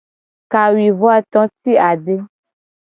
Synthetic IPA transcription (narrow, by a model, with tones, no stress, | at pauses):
ka˨wi˨vɔ˦a˨t̪ɔ̃˦t̪i˦a˨ɖe˦